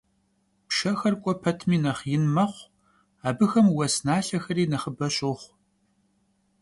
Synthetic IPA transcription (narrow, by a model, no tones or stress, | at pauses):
pʃɐxɐrkʷʼɔpʰɐtʰmiːnɐχjɪnmɐχʷ | aːbɨxɐmwɐsnaːɬɐxɐɾiːnɐχəbɐɕʼoχʷ